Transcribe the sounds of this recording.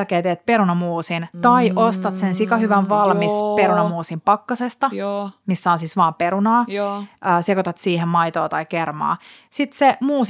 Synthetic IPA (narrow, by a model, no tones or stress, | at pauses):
rkeːt̪et̪̚peɾunɑmuːsint̪ɑiʔost̪ɑt̪sensikɑhyʋæʋʋɑlmispeɾunɑmuːsimpɑkːɑsest̪ɑmisːɑːsisʋɑːmpeɾunɑːəːsekot̪ɑt̪siːhemmɑjt̪oːt̪ɑikermɑ̰ː | sit̪semuːs